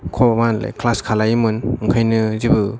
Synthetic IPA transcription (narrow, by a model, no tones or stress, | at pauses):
kʰɔmala̰jklaskʰalajmɯnɯŋkʰajnɯzibɯ